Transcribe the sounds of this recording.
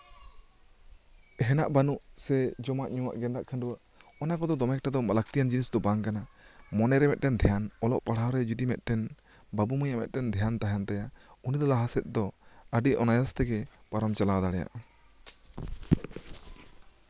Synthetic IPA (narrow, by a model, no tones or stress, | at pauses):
ɦɛna̰ʔbanuʔsɛd͡ʒɔmaʔɲuwa̰ʔɡɛnd̪aʔkʰanɖuwaʔ | ɔnakɔd̪ɔd̪ɔmɛk̚ʈad̪ɔmalak̚t̪ijand͡ʒinisd̪ɔbaŋkanamɔnɛɾɛmɛt̪̚ʈɛnd̪ʱɛjanɔlɔʔpaɽaɾɛd͡ʒud̪imɛt̪̚ˀʈɛn | babumɔjaʔmɛt̪̚ʈɛnd̪ʱɛjant̪aɦant̪ajaunid̪ɔlaɦasɛt̪̚ˀd̪ɔəɖiʔɔnajast̪ɛɡɛpaɾɔmt͡ʃalad̪aɽɛja̰ʔ